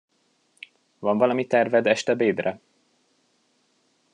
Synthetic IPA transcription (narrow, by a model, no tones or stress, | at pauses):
vɒɱvɒlɒmit̪ɛrvɛd̪ɛʃt̪ɛbeːd̪rɛ